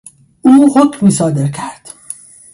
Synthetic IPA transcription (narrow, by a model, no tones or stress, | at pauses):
uːhocʰmiːsɒːd̪eɾcʰæɾd̪̥